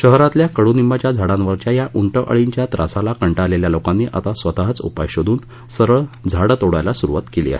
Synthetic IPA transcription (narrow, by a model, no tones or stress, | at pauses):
ɕəɦɾãt̪ljakəɽunimat͡ɕjad͡zʱaɽãnʋəɾt͡ɕjajaʔuɳʈəʔə̰ɭiɲt͡ɕjat̪ɾʔa̰salakəɳʈaleljalokanːḭʔa̰t̪asʋət̪aɦt͡sṵpajɕod̪ʱuːn | səɾəɭd͡zʱaɽt̪oɽajlasuɾuʋat̪kelḭːa̰ɦe